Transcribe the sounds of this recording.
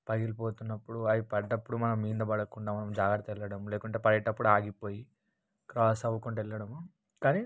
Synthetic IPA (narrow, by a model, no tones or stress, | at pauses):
pɐɡilpoːt̪unːɐpːuɽuɐjipɐɖːɐpːuɽumɐnɐmːiːnd̪ɐbɐɽɐkuɳɖaːmɐnɐmd͡ʒaːɡɐɾt̪ɐɛlːɐɽɐmuleːkuɳʈeːpɐɾɛʈːɐpːuɽuaːɡipo̞ːji | kɾaːsɐʋukuɳʈɛlːɐɽɐmu | kaːni